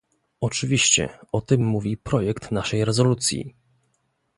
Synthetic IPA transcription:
ɔt͡ʂɘvʲiɕt͡ɕɛ̰ɔt̪ɘmːuvʲipɾɔjɛkt̪naʂɛjɾɛzɔlut̪sʲjḭ

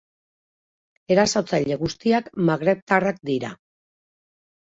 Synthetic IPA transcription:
e̞ɾasot͡saʎe̞ɣust̪iakmaɣɾe̞p̚t̪arak̚d̪iɾa̰

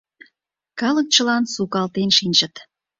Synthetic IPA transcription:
kɑlək̚t͡ɕə̆lɑnsukɑlt̪enʃinʲʒə̆t̪

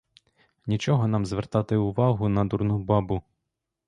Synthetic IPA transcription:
nʲit͡ʃɔɦɔn̪ɑmzʋert̪ɑt̪ɪʊʋɑɦʊnɐd̪urnubɑbʊ

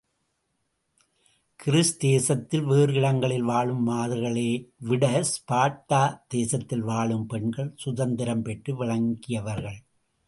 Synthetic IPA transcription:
kɪɾɪsd̪eːsɐt̪ːɪlʋeːɾɯɪɽɐŋɡɐɭɪlʋaːɭɯmːaːðɯɾɣɐɭeːʋɪɽɐspaːʈːaːd̪eːsɐt̪ːɪlʋaːɭɯmpɛɳɡɐɭsʊðɐnd̪ɪɾɐmpɛʈrɯʋɪɭɐŋɡɪjɐʋɐɾɣɐɭ

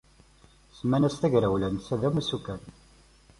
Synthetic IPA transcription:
smænæst̪æʝɾæwlænsæðæmusukːæn

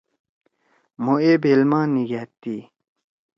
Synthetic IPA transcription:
moʔebelmɑniɡat̪ːi

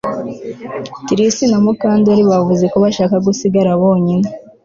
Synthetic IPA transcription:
tiɾisinamukaːndiaɾiβavuze̞koβaʃaːkaɡusiɡaɾaβo̞ːɲine

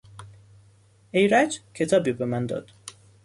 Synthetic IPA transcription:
ejɾæd͡ʒcʰet̪ʰɒːbibemænd̪ɒ̰d̪̥

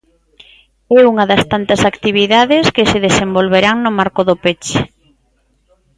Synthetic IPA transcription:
ɛuŋɐðɐst̪ant̪ɐsakt̪iβ̞iðaðɪskɪseðesembolβeɾaŋnʊmaɾkʊðʊpet͡ʃe

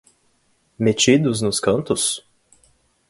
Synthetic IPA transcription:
met͡ʃid̪ʊznʊskɐ̃nt̪ʊs

